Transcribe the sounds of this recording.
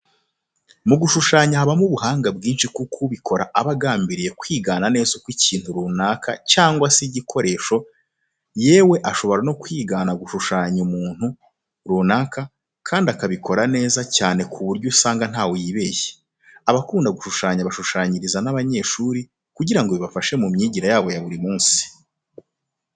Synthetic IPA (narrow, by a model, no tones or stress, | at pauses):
muɡuʃuʃaːɲaaβamuβuɦaːŋɡabɡiːnʃikukʰuβikʰo̞ɾaʔaβaɡaːmbiɾije̞kwiːɡaːnane̞ːzokwicʰiːn̥huɾuːnaːkʰacaːŋɡwasiɟikʰo̞ɾe̞ːʃo̞ | je̞ːwe̞ʔaʃo̞βo̞ɾano̞kwiːɡaːnaɡuʃuʃaːɲumuːn̥hu | ɾuːnaːka | kʰaːndakaβiko̞ɾane̞ːzacaːne̞kʰuβuɾɟusaːŋɡan̥haːwojiβe̞je | aβakuːndaɡuʃuʃaːɲaβaʃuʃaːɲiɾizanaβaɲe̞ːʃuːɾi | kuɟiɾaŋɡoβiβafaʃe̞mumɲiːɟiɾajaːβo̞jaβuɾimuːnsi̥